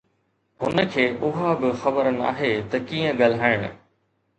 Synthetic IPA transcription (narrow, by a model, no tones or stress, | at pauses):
hʊnə̆kʰeːʔʊɦabɪxɐbəɾna̰ːɦet̪ɐkiːə̃ɠalɦaːɪɽ̃ʊ̰